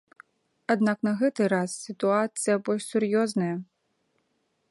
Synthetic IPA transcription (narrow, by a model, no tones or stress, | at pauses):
ad̪naknɐɣɛt̪ɨɾasːʲit̪uat̪sɨjɐbɔlʲʂsʲurjɔznɐjɐ